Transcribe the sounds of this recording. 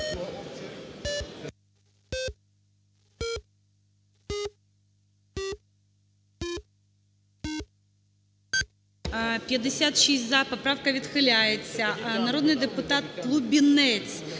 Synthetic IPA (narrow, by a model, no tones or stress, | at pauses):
pʲjəd̪ʲɪsʲat̪ʃisʲzapɐpɾafkɐvʲɪt̪xɨlʲajɪt̪sʲɐnɐɾo̞d̪nɨjd̪ɨpʊt̪at̪̚klˠubʲɪnɛt̪sʲ